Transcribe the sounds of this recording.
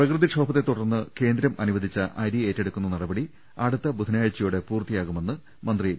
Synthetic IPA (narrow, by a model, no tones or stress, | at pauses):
prɐkrɨðiʂo̞ːbɐt̪ːet̪ːuɽɐrnːɨke̞ːnd̪ɾɐmɐnuʋɐd̪ʱit͡ɕːɐʔɐjɾieːtːeɽukːunːɐnɐɽɐbɐɽi | ɐːɽut̪ːɐbud̪ʱɐnaːɻt͡ɕːɐjuːɽe̞puːrt̪ijaːɣume̞nːɨ | mɐnd̪ri